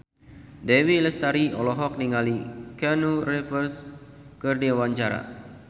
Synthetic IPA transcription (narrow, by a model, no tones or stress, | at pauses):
dewiləst̪aɾiɔlɔɦɔk̚niŋalikɛnurefərs | kərdiawaɲt͡ʃaɾa̰